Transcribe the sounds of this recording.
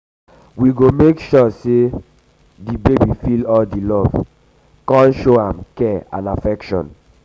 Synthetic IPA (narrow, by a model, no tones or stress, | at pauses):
wiɡomekʃɔse | dibebifilɔldilɔv | kɔ̃nʃoãmkɛã̰nafɛkʃɔ̰̃n